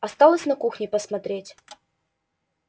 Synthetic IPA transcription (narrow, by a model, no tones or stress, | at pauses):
ɐst̪alˠəsʲnɐkuxnʲɪpəsmɐt̪ɾʲetʲ